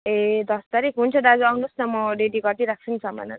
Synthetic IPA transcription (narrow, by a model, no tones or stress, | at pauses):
ed̪ʌst̪aɾikɦunt͡sʰʌdad͡zuawnusnʌmɔɖeɖiɡʌrt̪iɾak̚t͡sʰunisʌma̰na̰